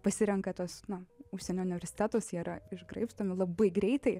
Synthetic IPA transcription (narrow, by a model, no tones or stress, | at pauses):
pɐsʲɪɾʲɛŋkɐt̪oːsnɐʊʃʲsʲɛnʲoːʊnʲɪʋʲɛɾʲsʲɪ̥t̪ʲæːt̪oːsiːɾɐɪʒɡɾɐɪpst̪oːmʲɪlˠɐbɐɪɡɾʲɛɪt̪ɐɪ